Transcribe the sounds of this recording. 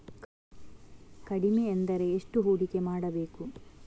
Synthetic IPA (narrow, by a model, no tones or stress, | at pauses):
kɐɽimeːnd̪ɐɾe̞ːʂʈuɦoːɽike̞maːɽɐbe̞ːku